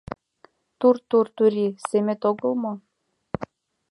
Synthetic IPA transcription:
t̪uɾt̪uɾt̪uɾisemĕt̪oɡɤ̆lˠmɤ

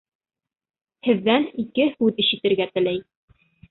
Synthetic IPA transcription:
hɘ̆ðːænikɘhʉðɘ̆ʃɘ̆t̪ɘ̆ɾɡæt̪ɘ̆læj

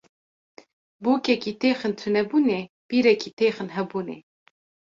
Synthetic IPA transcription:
buːkʲɛkiːt̪eːxɨnt̪ʰunɛbuːne | b̥iːɾɛkiːt̪ʰeːxɨnɦɛbuːnḛ

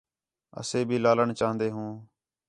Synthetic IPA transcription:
ə̰seːbʱiːlaːləɳt͡ʃaːɦənd̪eːɦũː

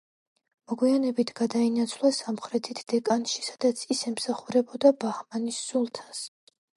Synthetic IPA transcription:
mɔɡwianɛbit̪ʰɡ̥ad̪ainat̪sʰvlˠasamχɾɛt̪ʰit̪ʰd̪̥ɛkʼanʃi̥sḁd̪̥at̪sʰisɛmsaχuɾɛbɔd̪abahmanisːulˠt̪ʰḁs

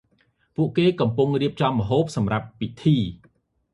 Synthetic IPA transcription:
puəʔkeːkɑmpuŋriəp̚t͡ɕɑmːə̆ɦoːp̚sɑmrap̚ːit̪ʰiː

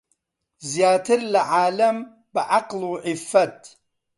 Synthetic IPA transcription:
zjaːt̪ʰɪɾlaʕaːlɐm | bɪʕaqluʕɪfːɐt̪

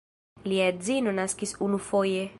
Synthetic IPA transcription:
liazinonaskisunufoje

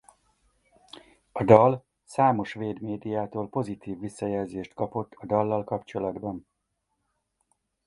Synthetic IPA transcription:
ɒd̪ɒl | saːmo̞ʃʋeːd̪meːd̪ijaːt̪oːlpo̞zit̪iːvːisːɒjɛlzeːʃt̪kɒpo̞t̪ːɒd̪ɒlːɒlkɒpt͡ʃo̞lɒd̪bɒn

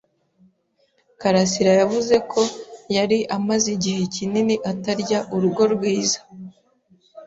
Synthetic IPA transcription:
kaɾasiɾajavuze̞kʰo̞jaɾiʔamaziɟihe̞cininiʔataɾɟaʔuɾuɡo̞ɾɡwiːzḁ

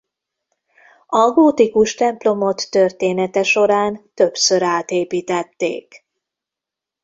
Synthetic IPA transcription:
ɒɡoːt̪ikuʃt̪ɛmplo̞mo̞t̪ːørt̪eːnɛt̪ɛʃo̞ɾaːnt̪øpsøɾaːt̪eːpiːt̪ɛt̪ːḛːk

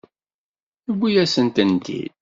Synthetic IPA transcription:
θəwʷːijæsənt̪ənt̪ḭd̪̚

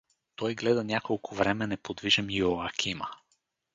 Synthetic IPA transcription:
t̪ɔjɡlɛd̪ɐnʲjakolˠkʰʊvɾɛmɛnɛpod̪viʒɐmioakʲʰimə

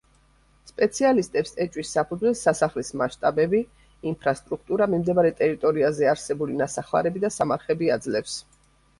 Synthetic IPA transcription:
spʼɛt̪sʰialist̪ʼɛpsʼɛt͡ʃʼwisːapʰud̪zwɛlsasaχlismaʃt̪ʼabɛbiː | mpʰɾast̪ʼɾuk̚ʰt̪ʼuɾamimd̪ɛmaɾɛt̪ʼɛɾit̪ʼɔɾiazɛaɾsɛbulinasaχva̰ɾɛbid̪asamaɾχɛbiad̪zlɛfs

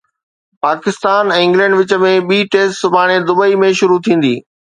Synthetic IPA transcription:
paːkɪst̪aːnɛ̃ɪ̃ŋɡlɛ̃ːɳɖʋɪt͡ɕə̆mẽɓiːʈeːsʈsʊbʱaːɽ̃ed̪ʊbəimẽʃʊɾut̪ʰĩːn̆d̪ḭː

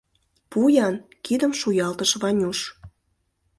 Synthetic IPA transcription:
pujɑn | kid̪ə̆mʃujɑlt̪əʃβɑnʲuʃ

